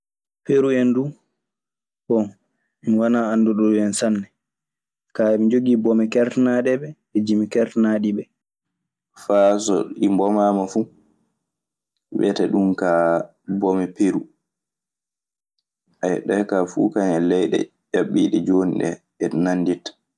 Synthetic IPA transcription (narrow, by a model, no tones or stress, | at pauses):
peɾuɛndu | kɔn | minwanaanːduɗɔɛnsanːɛ | kamid͡ʒoɡiːbɔmɛkɛɾtnaɗɛbɛ | ɛd͡ʒimikɛɾtnaɗibɛ | faːs̬ɔ̰ɗimbɔmaːmafu | ɓɛ̰tɛɗumka | bɔmɛpeɾu | ʔajɗɛkafṵkaɲalɛjɗɛ̰ | jaɓːḭːɗɛd͡ʒoniɗɛ̰ | ɛnanːditːḁ